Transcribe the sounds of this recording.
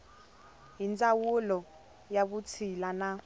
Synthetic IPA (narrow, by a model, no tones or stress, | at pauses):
jint͡sʼawulɔ | jaɓut͡sʰilana